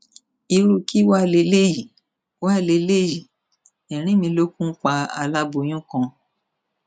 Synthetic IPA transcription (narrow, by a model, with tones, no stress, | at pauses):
i˧ɾu˦˨ki˦wa˦˨le˧˦le˦ji˨ | wa˦˨le˧˦le˦˨ji˨ | ɛ̃˨ɾ̃ĩ˦mĩ˧lo˦kũ˦k͡pa˧a̰˧la˦bo˧˦j̃ũ˦kã˧